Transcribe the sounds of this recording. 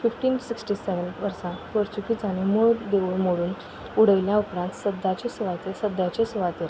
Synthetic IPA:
fifʈiːnsiksʈisɛʋənʋəɾsãpəɾt͡ɕukiːt͡sanimuɭd̪euɭmoɽuːn | uɽ̤əʋljãupɾãnt̪səd̪ʱat͡ɕesuʋat̪esəd̪ʱjat͡ɕesuʋat̪eɾ

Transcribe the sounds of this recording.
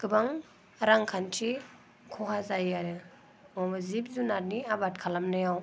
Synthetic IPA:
kɯbaŋ | ɾaŋkʰantʰi | kʰɔɦazajaɾɯ | ɔmzipzunaɾniabatkʰalamnajaw

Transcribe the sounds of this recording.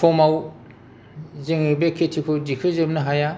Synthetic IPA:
pʰɔmaw | zeŋibekʰetʰikʰodikʰɯzemnɯɦaja

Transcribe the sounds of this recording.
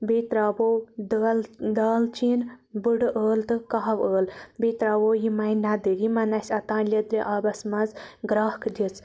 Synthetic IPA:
bit̪ɾaːbod̪ld̪aːlt͡ʃinbɨɽʔəːlt̪ɨkaɦʋəːlbiːt̪ɾaːwoːjimɐjnɐd̪ɨɡimɐnɐsʲɐt̪ãːnlʲɐd̪ɾeʔabɐsmɐzɡɾaːhkd̪ʲit͡s

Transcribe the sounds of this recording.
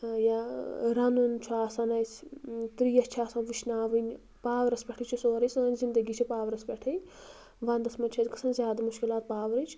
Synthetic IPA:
jaɾɐnunt͡ʃʰuaːsɐnɐjsʲt̪ɾiːjɐst͡ʃʰaːsɐnʋiʃnaːʋɨnʲ | paːʋɾɐspʲeʈʰit͡ʃʰusoːɾɐsʲunɐnʲzind̪ɐɡiːt͡ʃʰipaːʋɾɐspʲeʈʰɐj | ʋɐnd̪ɐsmɐnt͡ʃʰɐt̪ʲkɐ̥sʰɐnzʲjaːd̪amuʃkilaːt̪̚paːʋɾɨt͡ʃʰ

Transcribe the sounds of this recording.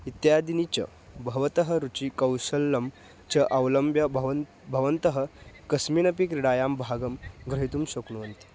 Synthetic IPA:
it̪jaːd̪init͡ɕɐ̰ | bʱɐʋɐt̪ɐɦɐɾut͡ɕikɐwʃɐlːɐm | t͡ɕɐʔɐʋlɐmbjɐbʱ | bʱɐʋɐnt̪ɐɦɐkɐsminɐpikɾiɽaːjaːmbʱaːɡɐmɡɾɐɦit̪umɕokɳuʋɐnt̪i̥

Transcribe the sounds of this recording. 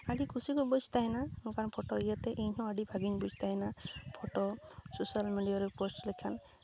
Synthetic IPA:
aɖikʰusikubɔd͡ʒt̪aɦɛnanukʰanpʰɔʈɔijət̪eʔeɲɦʰɔ̃aɖibʱaɡiɲbud͡ʒʰʱt̪aɦɛnapʰɔʈɔsusalmiɖijaɾepɔsʈlekʰan

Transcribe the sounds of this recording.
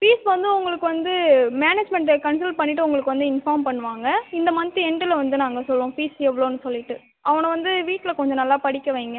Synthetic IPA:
fiːsʋɐnd̪ɯʊŋɡɐɭɯkːɯʋɐnd̪ɯmeːneːd͡ʒmɛɳʈkɐns̬ɐlpɐɳːɪʈːɯʊŋɡɐɭɯkːɯʋɐnd̪ɯɪnfaːɾmpɐɳːɯʋaːŋɡɐɪnd̪ɐmɐnt̪ːɯɛɳʈɪlɐʋɐnd̪ɯnaːŋɡɐsɔlːɾõːfiːsɛʋɐɭoːnːɯsɔlːɪʈːɯ | ʔɐʋɐnɐʋɐnd̪ɯʋiːʈːlɐkɔɲd͡ʒɔ̃nɐlːaːpɐɽɪkːɐʋeːŋɡɐ

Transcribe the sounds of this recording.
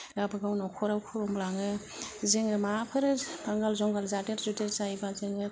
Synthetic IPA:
ɾabɯɡawnɔkʰɔɾawkʰuɾɔmlaŋɯ | zɯŋɾɯmapʰɯɾɯbaŋɡalzɔŋɡalzateɾzuteɾzajbazɯŋɯ

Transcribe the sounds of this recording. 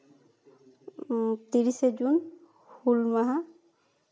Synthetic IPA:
t̪iɹisezun | hulmaɦa

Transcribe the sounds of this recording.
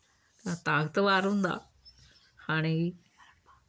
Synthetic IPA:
at̪aːɡt̪ɐʋaːɾund̪a̰ | ani

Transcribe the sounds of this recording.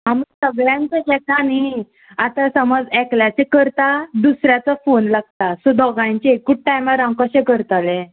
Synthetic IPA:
ɦamuksəɡɭjãɲt͡ɕeɦɛkani | at̪asəmɔd͡zɛkljat͡sɛkəɾt̪ad̪usɾjat͡safonlaɡ̚t̪asud̪ɔɡajɲt͡ɕeekuʈ̚ʈajmaɾãkəɕɛ̃kəɾt̪alɛ̃

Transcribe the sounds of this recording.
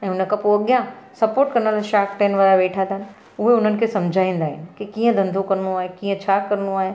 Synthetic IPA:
ɛ̃ːʊnə̆kɐpoɐɠjãsɐpoːɾʈkɐɾnəlaʃaːkʈɛ̃ːnʋaːɾaʋeːʈʰãd̪aɦnɪ̆ | ʊɦeʊn̤ənɪ̆kʰeːsɐ̃md͡ʑʱaːĩːn̆d̪aːɦɪnɪ̆kikiːə̃d̪ʱɐ̃nd̪ʱokɐɾnũaːɦekiːə̃t͡ɕʰaːkɐɾənũaːɦe

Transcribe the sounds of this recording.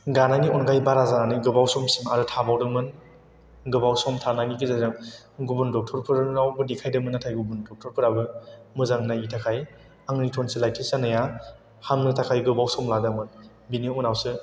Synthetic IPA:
ɡananiɔnɡajbaɾazananɯjɡɯbawsɔmsimaɾɯtʰabawdɯmɯn | ɡɯbawsɔmtʰananikʰizazaŋ | ɡubundɔk̚tʰɔɾpʰɯɾɾawbɯdikʰajdɯmɯnatʰajɡubundɔk̚tʰɔɾpʰɯɾabɯmɯzaŋnajitʰakʰaj | aŋnitʰɔnsɯlajtʰisanɯja | hamnɯtʰakʰajɡɯbawsɔmladɯmɯn | biniunawsɯ

